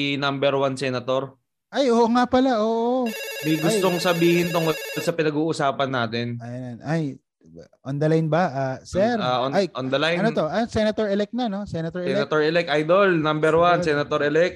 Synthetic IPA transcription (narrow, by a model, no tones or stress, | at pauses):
nambɛɾwansɛnɐt̪oɾ | ʔajʔoːʔoŋapɐlaʔoːʔʔomɐjɡʊst̪o̞ŋsɐbiːhɪnt̪oŋʔolsɐpɪnɐɡuːʔʊsaːpɐnːaːt̪ɛnɐjnʔaj | ʔond̪ɐlajnbɐʔasɛɾaʔonajʔond̪ɐlajɐnot̪o̞ʔasɛnɐt̪oɹɛlɛk̚nano̞sɛnɐt̪oɹɛsɛlnɐt̪oɹʔɛlɛk̚ʔajd̪olnambɛɾwansɛnɐt̪oɾʔɛlɛk̚